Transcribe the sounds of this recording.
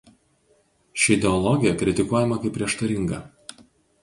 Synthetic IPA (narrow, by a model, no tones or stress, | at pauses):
ʃʲɪɪd̪ʲɛɔlˠɔɡʲɪjɛkɾʲɪt̪ʲɪkuɔjɛmɐkɐɪpʲːɾʲiɛʃt̪ɐɾʲɪŋɡɐ